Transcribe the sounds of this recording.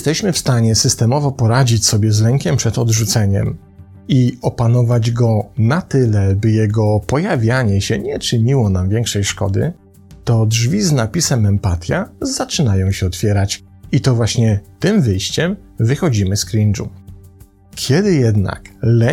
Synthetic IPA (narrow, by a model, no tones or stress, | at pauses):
st̪ɛɕmɘfst̪aɲɛsɘst̪ɛmɔvɔpɔɾad͡ʑit͡ɕsɔbʲjɛzlɛŋkʲɛmpʂɛt̪ɔd̪ʐut̪sɛɲɛ̰m | iɔpanɔvad͡ʑɡɔnat̪ɘlɛbɘjɛɡɔpɔjavʲjaɲɛɕɛɲɛt͡ʂɘɲiwɔnamvʲjɛŋkʂɛjʂkɔ̰d̪ɘ̰ | t̪ɔdʐvʲiznapʲisɛmɛmpat̪ʲjazat͡ʂɘnajɔ̃w̃ɕɛɔt̪fʲjɛɾat͡ɕ | it̪ɔvwaɕɲɛt̪ɘmvɘjɕt͡ɕɛm | vɘxɔd͡ʑimɘskɾʲind͡ʐṵ | kʲʰjɛd̪ɘjɛd̪na̰klɛ